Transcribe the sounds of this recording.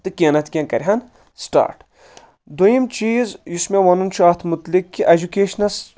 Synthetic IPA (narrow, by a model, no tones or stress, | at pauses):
t̪ɨkʲɐnɐt̪kʲẽnkɐɾʲɦɐn | sʈa̰ːɾʈ | d̪ojimt͡ʃiːzjusmʲeʋɐnunt͡ʃʰaːt̪ʰmut̪likːiʔed͡ʒukeːʃnɐs